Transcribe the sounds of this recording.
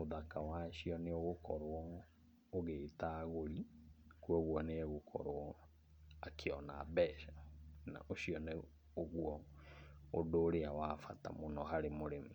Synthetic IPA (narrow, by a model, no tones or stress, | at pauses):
moðakawaʃiɔneoɣokɔɾɔ | oɣetaɣoɾikuɔɣwɔneɛɣokʰɔ̰ɾoɔ | akʰeɔna̰bɛːʃana̰ʔoʃiɔne | oɣwɔ | odoːɾeawafata̰monɔhaɾemoɾemu